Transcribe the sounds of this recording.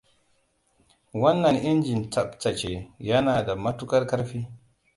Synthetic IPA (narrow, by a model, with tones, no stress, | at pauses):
wa˦nːa˨nʔi˦nd͡ʒi˨nt͡sa˨ɓt͡sa˨t͡ʃe˨ja˦na˨da˨ma˦tu˦ka˦ɾka˦ɾfi˦